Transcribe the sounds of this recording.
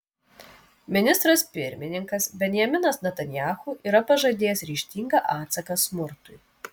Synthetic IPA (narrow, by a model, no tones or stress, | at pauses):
mʲɪnʲɪst̪ɾɐspʲɪɾʲmʲɪnʲɪŋkɐsbʲɛnʲjɛmʲɪnɐsnʲɐt̪ɐnʲjaːxuʔiːɾɐpɐʒɐd̪ʲeːjɛsɾʲiːʃʲt̪ʲiːŋɡɐʔɑːt̪sɐkɐsmʊɾt̪ʊɪ